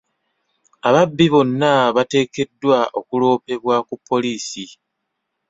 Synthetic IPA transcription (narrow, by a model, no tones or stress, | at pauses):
aβabːiβo̞nːaβate̞ːke̞dːwaʔo̞kulo̞ːpe̞βwakupʰːo̞liːsi